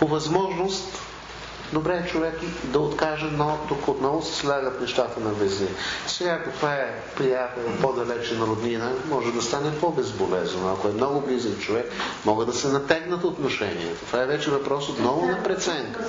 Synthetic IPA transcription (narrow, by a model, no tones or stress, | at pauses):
povɐzmɔʒnʊst̪ | d̪obɾɛt͡ʃovɛkid̪ɐot̪kaʒənot̪ʊkot̪nɔvʊsɛ̥slʲaɡət̪nɛʃt̪at̪ənɐbɛznɛsɛɡakɐt̪vaɛ | pɾijat̪ɛlˠpod̪ɐlɛt͡ʃɛnɐɾod̪ninəmɔʒɛd̪ɐst̪anɛpobɛzbolɛznoɐkʊɛmnɔɡʊblizɛkt͡ʃovɛkmɔɡəd̪ɐsɛnɐt̪ɛɡnət̪ot̪noʃɛ̰nḭɛ̰t̪ot̪vaɛvɛt͡ʃɛvɐpɾɔsot̪nɔvʊnɐpɾɛt̪sɛŋkə̥